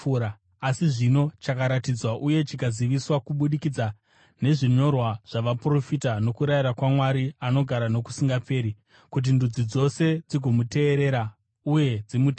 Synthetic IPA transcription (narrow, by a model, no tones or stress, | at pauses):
ɾaː | siʐino̞t͡ʃakaɾatid͡zwaʔuje̞t͡ʃikaziʋiswakuɓuɗikid͡za | ne̞ʐiɲo̞rwaʐ̥aʋapro̞fitano̞kuɾaiɾakwamwaɾiano̞ɡʱaɾano̞ku̥siŋɡape̞ːɾi | kut̬indud͡zid͡zo̞se̞d͡ziɡʱo̞mute̞ːɾe̞ɾa | uje̞d͡zimutː